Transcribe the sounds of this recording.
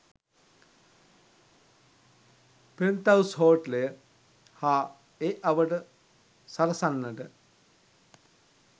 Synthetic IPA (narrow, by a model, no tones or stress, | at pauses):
pent̪ɐwsɦoːʈlejə | haː | eːʔɐʋəʈə | sɐɾɐsanːəʈə